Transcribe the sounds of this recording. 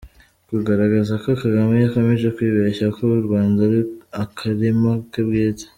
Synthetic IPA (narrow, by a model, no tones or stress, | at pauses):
kuɡaɾaɡazakokaɡamajakomeʒekwiːβeçakouɾɡwaːndaɾakʰaɾemakebɡeːte̥